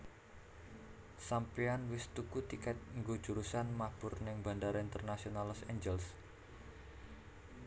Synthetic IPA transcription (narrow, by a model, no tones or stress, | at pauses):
sampianwɪst̪ukut̪ikɛt̪̚ŋɡo̥d͡ʒ̥uɾusanmab̥ʊrnɪŋba̤ndaɾaint̪ərnasionalɔseɲd͡ʒɛls